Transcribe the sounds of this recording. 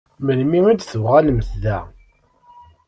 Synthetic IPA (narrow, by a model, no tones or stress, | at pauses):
məlmiid̪θəvʁalməθðæ